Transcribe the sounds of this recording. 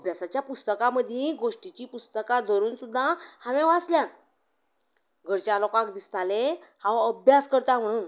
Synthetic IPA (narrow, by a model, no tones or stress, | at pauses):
əbʱjasat͡ɕjapust̪əkaməd̪ʱjẽɡoʂʈit͡ɕiːpust̪əkad̪ʱɔɾuːnsud̪ʱːahaʋẽʋasljan | ɡʱəɽt͡ɕalokãkd̪ist̪ʰalehãʋəbʱjaskəɾt̪am̤əɽ̃uːn